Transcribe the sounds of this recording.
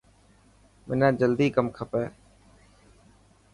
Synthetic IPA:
mɪnãːd͡ʒəld̪iːkəmkʰəpɛː

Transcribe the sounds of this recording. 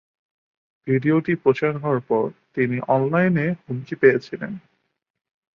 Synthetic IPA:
bʱiɖioʈipɾot͡ɕaɾɦɔoaɾpɔɾt̪iniʔɔnlajnehumkipejet͡ɕʰilḛn

